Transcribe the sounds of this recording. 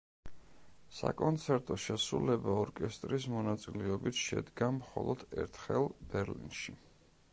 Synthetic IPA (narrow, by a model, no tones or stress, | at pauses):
sa̰kʼɔnt̪sʰɛɾt̪ʼɔʃɛsɾulɛbaɔɾkʼɛst̪ʼɾismɔnat̪sʼilɛɔbit̪ʰʃɛ̰d̪ɡamχɔ̰lˠɔd̪̥ɛɾt̪ʰχɛlˠb̥ɛɾlḭnʃi